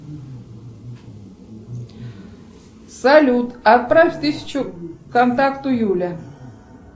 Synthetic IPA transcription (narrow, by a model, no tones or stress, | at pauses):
sɐlʲut̪ɐt̪̚pɾafʲt̪ɨsʲɪ̥t͡ɕʊkɐnt̪akt̪ʊjulʲə